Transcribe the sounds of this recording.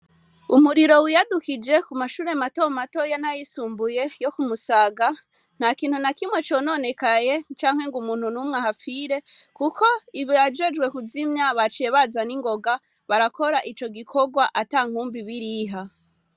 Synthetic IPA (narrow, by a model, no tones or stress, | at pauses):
umuɾiɾo̞wijadukid͡ʒe̞kumaʃuːɾe̞matomato̞janajisuːmbuje̞jokumusaɡa | n̥hakiːnhunakimwe̞t͡ʃo̞no̞ne̞kaje̞t͡ʃaːŋ̥he̞ŋɡumuːn̥hunumŋahafiɾe̞kukʰo̞iβjad͡ʒe̞d͡ʒɡwe̞kuzimɲaβat͡ʃeβazaniŋɡo̞ɡa | βaɾakʰo̞ɾaʔit͡ʃo̞ɡikʰo̞ɡwaʔataːŋ̥huːmbiβiɾiːɦa